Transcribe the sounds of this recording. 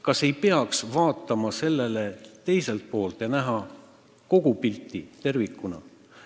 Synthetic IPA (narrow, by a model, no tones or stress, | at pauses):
kɑse̞jpe̞ɑksvɑːt̪ːˑɑmɑse̞lːe̞le̞t̪e̞jse̞lt̪̚po̞ːlt̪ˑjɑnæɦɑ | ko̞ɡ̥upilʲt̪ˑːit̪e̞rvikˑːunɑ̰